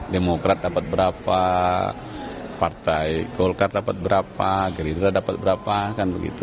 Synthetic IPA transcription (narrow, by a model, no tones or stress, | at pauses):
demokɾat̪̚dapat̪̚bəɾapa | part̪aiɡolkardapat̪̚bəɾapaɡəɾidɾadapat̪̚bəɾapakanbəɡḭt̪u